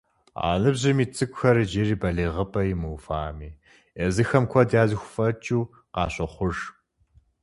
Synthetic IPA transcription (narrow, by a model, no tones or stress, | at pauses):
a̰ːnɨbʑɪmiːt͡sʼɨkʷʼʊxɐɾɨd͡ʒeːriːbɐɮeːʁəpʰʼɐjɪmɨwfaːmiː | ezɨxɐmkʷʰɔdaːzɨxʷfɐt͡ʃʼuː | qɑ̰ːɕʼɐχʷʊʒ